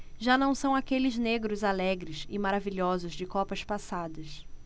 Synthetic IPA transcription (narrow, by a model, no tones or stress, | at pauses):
ʒanɐ̃w̃sɐ̃w̃akelɪzneɡɾʊzalɛɡɾɪsɪmaɾaviʎɔzʊzd͡ʒɪkɔpɐspasad̪ɐs